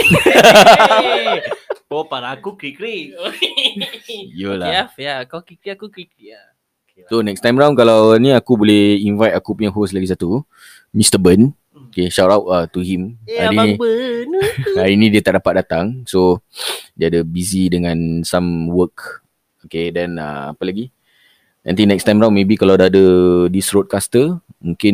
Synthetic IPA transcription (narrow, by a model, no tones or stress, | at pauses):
opaɾaːkukɾikɾiok | jolaafjakakɾikɾiakukɾikɾia | sonɛkst̪ãjmɾaw̃nkalawnĩakubolɛhinvajt̪akupuɲãŋɦoslaɡisat̪u | mist̪əbən | okeʃatawtat̪uɦimaiibənainĩdiət̪aʔdapat̪̚dat̪aŋso | diadəbizidəŋãnsamwək | okedɛ̃nə̰apəlaɡi | ã̰nt̪inɛkst̪ajmɾaw̃nmẽbikalawdaːdədisɾod̚kast̪əmũŋkɪn